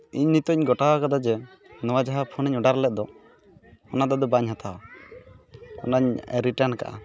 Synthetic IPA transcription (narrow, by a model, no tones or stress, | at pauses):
iɲnit̪ɔɲɡɔʈawkad̪ad͡ʒɛ | nɔwad͡ʒaɦapʰuniɲɔɖaɾlɛt̪̚d̪ɔ | ɔnad̪ɔd̪ɔbaɲɦat̪ʰaw | ɔnaɲɾiʈanka̰ʔa̰